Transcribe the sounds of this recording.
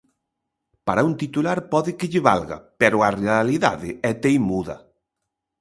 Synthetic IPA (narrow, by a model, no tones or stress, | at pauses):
paɾɐunt̪it̪ulaɾpɔðɪkɪʎɪβa̰lɣɐ̰pɛɾʊarealiða̰ðɪɛt̪ejmuðɐ̰